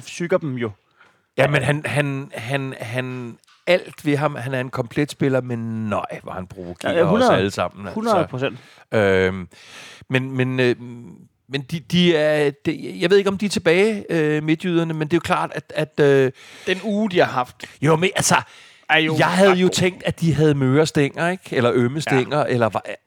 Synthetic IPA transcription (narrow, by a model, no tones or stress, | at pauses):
syɡ̥ɐd̥mjo̝ | jæmenɦænhænɦænɦæn | æl̰d̥ʋe̝ɦɑ̈mhænæɐe̝nkʰɒ̽mpʰled̥sb̥e̝lɐmenːɑɪ̰ʋɑ̈hænpʰʁo̝ʋoɡ̥ʰḛɐunɐæləsɑ̈m̰n̩æhunɐsˠpʰʁosen̰d̥ | ø | menmenø | mend̥id̥iæɐd̥ejɑɪʋe̝ðˠeɡ̥ɒ̽md̥iɐt͡sʰe̝b̥ɛːɪøme̝d̥jyð̞̰ˠɐnəmend̥e̝ːjo̝kʰlɑ̰̈ːd̥æ̥æd̥ød̥enuːd̥ihɑ̈ɦɑfd̥jomeʔælsɐ | jɑ̈ɪɦæð̞̩ˠjo̝t͡sʰeŋ̰̥d̥æd̥iɦæð̞̩ˠmøːɐsd̥eŋ̰ɐeɡ̥elɐʔøməseŋ̰ɐʔelɐʋ